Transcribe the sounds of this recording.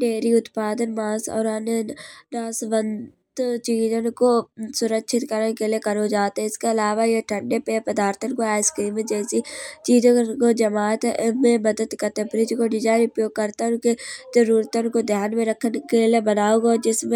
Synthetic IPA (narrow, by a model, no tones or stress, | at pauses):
ɖeːɾiʊt̪paːd̪ənmaːsɔ̰ːɾɦanenaːsʋən | t̪t͡ʃiːzənkosʊɾəkʃɪt̪kəɾnkeliekəɾod͡ʒaːt̪ɦɛɪskeəlaːʋajeʈʰə̃ɳɖepepəd̪aːɾt̪ʰənkoaːɪskɾiːmed͡ʒɛːsit͡ʃiːzõkod͡ʒəmaːt̪ʔmẽməd̪əd̪kət̪ebɾɪd͡ʒkoɖɪd͡ʒaːɪɾʊpjoːɡ̚kəɾt̪aʊnkezəɾuːɾt̪ənkod̪ʱjaːnmẽɾəkʰːənkeliebənaːoɡad͡ʒɪsmẽ